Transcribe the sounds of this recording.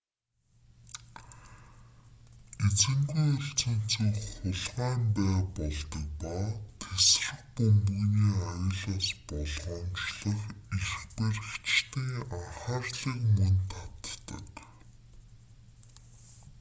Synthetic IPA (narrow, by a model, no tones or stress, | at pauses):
et͡sɘ̆ŋɡujɵɬt͡sɵ̆n̥t͡suχʊɮʁæːmpæːpɔɮt̪ə̆k̚paːt̪ʰes̆rɘ̆pɵmpɵ̆ɣniːajə̆ɮaːspɔɮʁɞ̆ːnt͡ɕɮɞ̆xixxper̆xt͡ɕt̪iːŋaχaːrɮiːkmɵnt̪ʰat̪ːə̰̆k